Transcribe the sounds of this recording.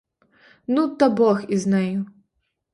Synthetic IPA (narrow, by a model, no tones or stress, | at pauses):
nut̪ɐbɔxiznaju